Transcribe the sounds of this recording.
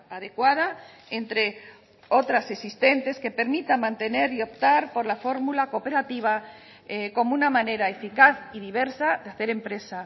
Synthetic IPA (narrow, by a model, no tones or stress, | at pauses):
aðe̞kwað̞a | ent̪ɾe̞ | ot̪ɾase̞sist̪e̞nt̪e̞ske̞pe̞ɾmit̪amãnt̪e̞ne̞ɾio̞pt̪aɾpo̞ɾlafo̞ɾmulako̞pe̞ɾat̪iβ̞a | eko̞mounamãne̞ɾae̞fikaθiðiβ̞e̞ɾsaðeaθe̞ɾe̞mpɾe̞sa